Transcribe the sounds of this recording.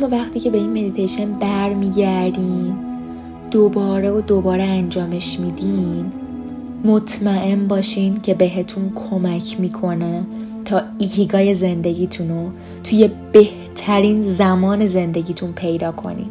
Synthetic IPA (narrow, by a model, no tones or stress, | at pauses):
mːɒːvæxt̪ʰiːcʰe̞be̞inme̞d̪it̪ʰejʃe̞nbæɾmiːɟæɾd̪iːn | d̪̥obɒːɾeod̪o̞bɒːɾeænd͡ʒɒːme̞ʃmid̪in | mot̪ʰmæʔe̞nbɒːʃiːncʰe̞be̞ɦe̞t̪ʰunkʰo̞mæcʰmiːkʰo̞net̪ʰɒːihiɡɒːje̞ze̞nd̪e̞ɟiːt̪ʰuno | t̪ʰuje̞b̥e̞h | t̪ʰæɾiːnzæmɒːne̞ze̞nd̪e̞ɟiːt̪ʰunpʰejd̪ɒːkʰo̞̰nḭn